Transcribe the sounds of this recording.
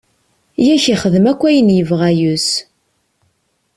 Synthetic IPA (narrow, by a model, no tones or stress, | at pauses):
jæçiχəðəmækʷːæjənjəvʁæjus